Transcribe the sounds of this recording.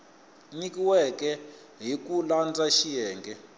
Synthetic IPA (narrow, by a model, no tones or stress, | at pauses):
nikiwɛkɛ | ɦikuland͡zaʃijɛːŋɡɛ